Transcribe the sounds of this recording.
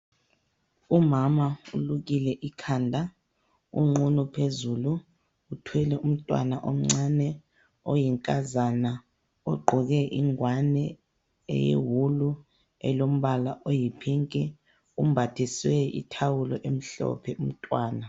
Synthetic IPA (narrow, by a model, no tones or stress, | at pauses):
umamauluɣ̬ilɛʔikʰaːndʱa | ṵŋ͡ǃunupʰezuluː | tʰwɛlɛʔum̩tʼwa̰naʔom̩ŋ͡ǀanɛ | ojiŋkʼazana | ɔɡ͡ǃʱɔɣɛʔiŋwanɛ | ɛ̰jḛwulu | ɛ̰lom̩βalaʔojipʰiŋkʼɛ | um̩bʱatʰiswɛḭtʰawulɔʔem̩ɬɔ̰pʰɛum̩tʼwaːna